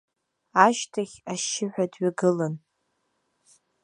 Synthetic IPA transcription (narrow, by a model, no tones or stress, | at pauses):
aʃtʰaχʲaʃɪħʷᶣadɥaɡɨlan